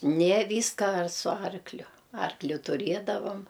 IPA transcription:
nʲeː ˈʋʲiːskɐ ɐr sʊ ˈɐrklʲʊ ˈɐrklʲʊ tʊˈrʲeːdɐʋɐm

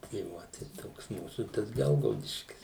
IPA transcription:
tɐɪ ˈʋoː tɐɪ ˈtoːks ˈmuːsuː tɐs ˈɡʲɛlˠɡɐʊdʲɪʃʲkʲɪs

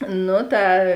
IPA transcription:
ˈnʊ ˈtɐ

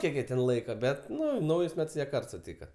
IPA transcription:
ˈkʲiɛk jiɛ ˈtʲɛn ˈlˠɐɪkɐ ˈbʲɛt ˈnʊ ˈnɐʊjʊs ˈmʲɛts ˈjiɛ ˈkɐrt sʊˈtʲiːkɐ

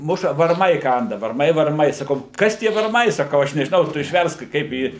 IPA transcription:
ˈmʊʃɐ ʋɐrˈmɐɪ ˈkɐndɐ ʋɐrˈmɐɪ ʋɐrˈmɐɪ sɐˈkɐʊ ˈkɐs tʲiɛ ʋɐrˈmɐɪ sɐˈkɐʊ ˈɐʃ nʲɛʒʲɪˈnɐʊ ˈtʊ ɪʃʲˈʋʲɛrsk ˈkɐɪp iː

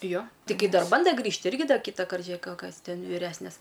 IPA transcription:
joː tʲɪˈɡʲɪ ˈdɐr ˈbɐndɐ ˈɡrʲiːʃt ˈɪrʲɡʲɪ ˈdɐ ˈkʲiːtɐkɐrt ʒʲʊˈeːk ˈkɐs ˈtʲɛn ʋʲiːˈrʲæːsʲnʲeːs

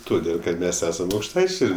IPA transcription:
toːˈdʲeːlˠ kɐt ˈmʲɛs ˈæːsɐm ɐʊkʃˈtɐɪt͡ʃʲɛɪ

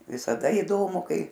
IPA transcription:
ʋʲɪsɐˈdɐ iːˈdoːmʊ ˈkɐɪ

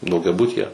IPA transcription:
dɐʊɡʲɛˈbʊtʲiːjɛ

